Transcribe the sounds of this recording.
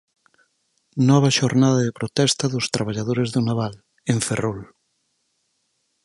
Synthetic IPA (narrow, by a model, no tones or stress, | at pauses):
nɔβ̞ɐʃoɾnaðɐðepɾot̪ɛst̪ɐðʊst̪ɾaβ̞aʎaðoɾezðʊnaβal | eɱferol